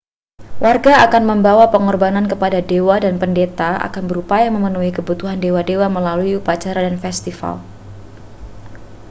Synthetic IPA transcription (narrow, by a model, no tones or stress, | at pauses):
wʔarɡaakanməmbawapəŋɔrbanankəpadadewadanpəndet̪aa̰kanbəɾupajaməmənuikəbut̪uɦandewadewaməlaluiupat͡ʃaɾadanfɛst̪ifa̰l